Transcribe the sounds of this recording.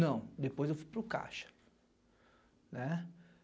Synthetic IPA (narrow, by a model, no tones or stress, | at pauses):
nɐ̃w̃d̪epojzewfujpɾʊka̰ʃɐ̥ | nɛ